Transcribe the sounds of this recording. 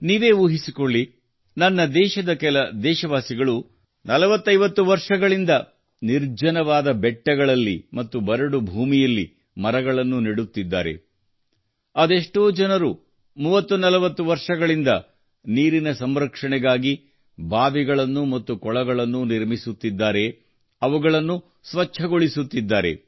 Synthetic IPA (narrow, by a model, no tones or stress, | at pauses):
niːʋe̞ːʋuːɦisikoɭːi | nɐnːɐd̪ɛːʃɐd̪ɐkɛlɐd̪ɛːʃɐʋaːsiɡɐɭu | nɐlɐʋɐt̪ːɐjʋɐt̪ːuʋɐɾʂɐɡɐɭind̪ɐ | niɾd͡ʒɐnɐʋaːd̪ɐbɛʈːɐɡɐɭɐlːḭmɐt̪ːubɐɾɐɽubʱuːmijɐlːḭ | mɐɾɐɡɐɭɐnːuniɽut̪ːid̪ːa̰ːɾe̞̰ | ɐd̪e̞ʂʈoːd͡ʒɐnɐɾu | muːʋɐt̪ːunɐlɐʋɐt̪ːuʋɐɾʂɐɡɐɭind̪ɐ | niːɾinɐsɐmɾɐkʂɐɳɛɡaːɡi | bʱaːʋiɡɐɭɐnːumɐt̪ːukɔɭɐɡɐɭɐnːuniɾmisut̪ːid̪ːaːɾe̞ | ɐʋuɡɐɭɐnːu | sʋɐt͡ʃʰːɐɡo̞ɭisut̪ːid̪ːaːɾe̞̰